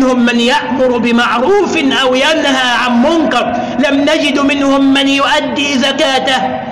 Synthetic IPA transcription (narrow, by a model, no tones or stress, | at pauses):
nhʊmːanjaʔmʊɾbɪmaʕɾuːfnʔawjanɦaʕanmʊnkɑɾˤ | lamnad͡ʒɪd̪mɪnhʊmːanjʊʔad̪ːiːzakaːt̪ah